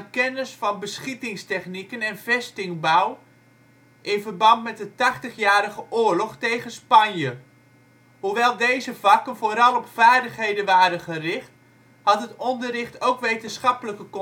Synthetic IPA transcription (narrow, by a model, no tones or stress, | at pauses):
kɛnəsfɑnbəsχitɪŋstɛχnikənɛnvɛstɪŋbaw | ʔɪnvərbɑntmɛt̚dətɑχtəχjaːɾəɣəʔʊːrlɔχtejχənspɑnjə | huʋɛlˠdejzəvɑkənvoːɾɑlˠɔpfaːrdəχɦejdənʋaːɾənχərɪχt | hɑtɦətɔndərɪχtowkʋejtənsχɑpələkək